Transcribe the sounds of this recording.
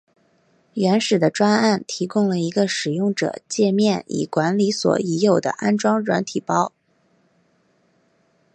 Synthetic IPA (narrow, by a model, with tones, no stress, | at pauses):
ɥɛ˧˥nʂɻ̩˨˩d̪ə˦ʈ͡ʂwa˥na˥˩nt̪ʰi˧˥kʊ˥ŋlə˨i˧˥ɡə˧ʂɻ̩˨˩jʊ˥˩ŋʈ͡ʂɤ̰˨˩t͡ɕjɛ˥˧mjɛ˥˩nḭ˨˩kwa˧˥nli˧˥swɔ̰˨˩i˧˥jo˨˩ʊd̪ə̰˦ʔa˥nʈ͡ʂwɑ˥ŋɻwa˧˥nt̪ʰi˨˩pɑ˥ʊ